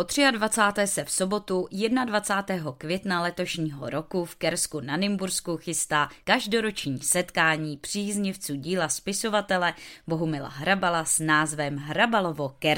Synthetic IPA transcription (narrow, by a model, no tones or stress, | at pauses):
pot̪r̝̥ɪadvat͡saːt̪ɛːsɛfso̞bo̞t̪ujɛdnadvat͡saːt̪ɛːɦo̞kvjɛt̪nalɛt̪o̞ʃɲiːɦo̰ɾo̞kufkɛɾskunanɪmbuɾskuxɪst̪aːkaʒdo̞ɾo̞t͡ʃɲiːsɛt̪kaːɲiːpr̝̥iːzɲɪft͡suːɟiːlaspɪso̞vat̪ɛlɛbo̞ɦumɪla̰ɦɾabalasnaːzvɛmɦɾabalo̞vo̞kɛɾ